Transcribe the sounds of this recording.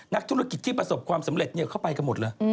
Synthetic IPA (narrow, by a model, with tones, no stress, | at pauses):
na˦˥k̚t̪ʰu˦˥ɾa˥˩ki˨˩t̪ʰːiː˥˩pɾa˧so˨˩p̚kʰwaː˧msa˩˦mɾe˨˩t̪̚ni˦˩˨kʰa˥˩wpa˧jka˧mo˨˩t̪̚lɤː˧j